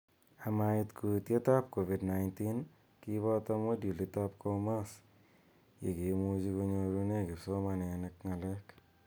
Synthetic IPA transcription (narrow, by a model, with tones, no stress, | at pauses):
a˨ma˨ɪtkʰu˨tje˦ta˦p̚ko˨vi˨dna˨jnti˦n | ki˦βɔ˦tamo˦dju˨lita˦p̚kʰoma˦s | jḛ˨ki˨mu˦t͡ʃi˧ko˧ɲo˧ɾu˦ne˦kɪ˨pso˦ma˧nɛ˨nɪk̚ŋa˨lɛ˦k